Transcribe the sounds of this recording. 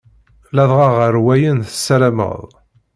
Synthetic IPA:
læðˤʁɑʁəɾwæjənθəsːælæmə̰ðˤ

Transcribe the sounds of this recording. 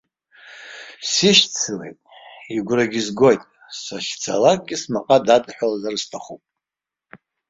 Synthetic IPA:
siʃt͡sʰɨlḛjtʼiɡʷraɡʲizɡo̞jtʼ | saʃt͡sʰa̰lak̚ʼɡʲismaqʼadatʼħᶣalazarstʰaχupʼ

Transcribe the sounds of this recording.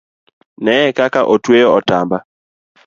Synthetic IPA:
nɛɛkakaʔotwejɔɔtamba

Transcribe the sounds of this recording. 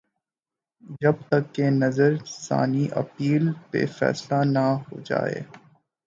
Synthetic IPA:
d͡ʒɐb̚t̪ɐkːenɐzəɾsa̰ːniʔɐpiːlpḛfɛ̰ːslanahod͡ʒa̰ːḛː

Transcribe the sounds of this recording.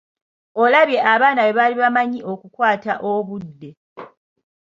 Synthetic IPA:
o̞laβje̞ʔaβaːnaβe̞βaliβamaɲiʔo̞kukwaːtaʔoβudːe̞

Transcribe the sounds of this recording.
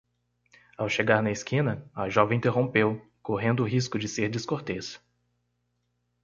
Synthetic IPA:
awʃeɡaɾnɐɪskĩnɐɐʒɔvẽĩt̪eɦõpew | koɦẽnd̪ʊːɦis̬kʊd͡ʒɪseɾd͡ʒɪskoɾt̪es

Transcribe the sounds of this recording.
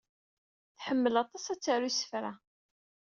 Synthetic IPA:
θħəmːəlɑt̪ˤɑsæt͡sːaɾusə̥fɾa

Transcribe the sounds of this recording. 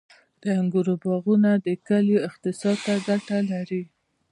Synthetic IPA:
d̪̥əaŋɡuɾobɑɣunad̪əkaljoɪqt̪ɪsɑd̪̚t̪aɡaʈalaɾi

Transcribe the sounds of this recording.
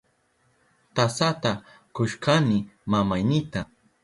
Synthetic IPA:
t̪asat̪a | kʊʃkʰanɪmamajnɪt̪a

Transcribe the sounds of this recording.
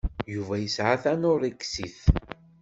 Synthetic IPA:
juvæjəsʕaθænʊɾˤiksiθ

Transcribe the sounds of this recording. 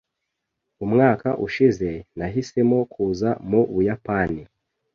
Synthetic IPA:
umŋaːkaʔuʃize̞naɦise̞mo̞kʰuːzamuβujapani

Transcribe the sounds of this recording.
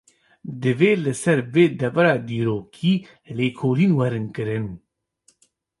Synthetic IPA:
d̪ɨveːlɨsɛɾveːd̪ɛvɛɾɑːd̪iːɾoːkʰiː | leːkʰoːliːnwɛɾɨnkɨɾɨn

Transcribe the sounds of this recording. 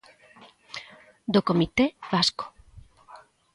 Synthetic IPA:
d̪okomit̪eβasko̥

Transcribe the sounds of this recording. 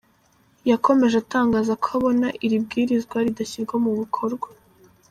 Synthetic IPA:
jako̞me̞ʒeataːŋɡaːzakoaβo̞naʔiɾib̚ɡiːɾizɡwaɾidaçiɾɡwomuβikʰo̞ɾɡwa

